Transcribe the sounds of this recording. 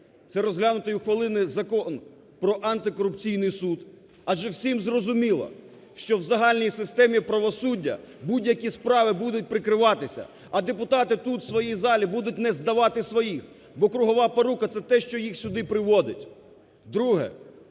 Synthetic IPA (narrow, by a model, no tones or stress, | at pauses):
t̪sɛɾɔzɦlʲanʊt̪ɔjuxʋɐlˠɪnɪzɐkɔn | pɾɔʔɐnt̪ɪkɔɾʊpt͡sʲijnɪjsud̪ | ɐʒɛwsʲimzrɔzʊmʲilˠɐ̰ | ʃt͡ʃɔwzɐɦɑlʲnʲijsɪst̪ɛmʲipɾɐʋɔsudʲːɐ̰ | budʲjɐkʲispɾɑʋɪbud̪ʊt̚ʲpɾɪkɾɪʋɑt̪ɪsʲɐ̰ | ɐd̪epʊt̪ɑt̪ɪt̪ut̪w̥sʋɔjizɑlʲibud̪ʊt̚ʲnɛzd̪ɐʋɑt̪ɪsʋɔjix | bɔkɾʊɦɔʋɑpɐɾukɐt̪sɛt̪ɛʃt͡ʃɔjixsʲʊd̪ɪpɾɪʋɔd̪ɪtʲ | d̪ɾuɦɛ̰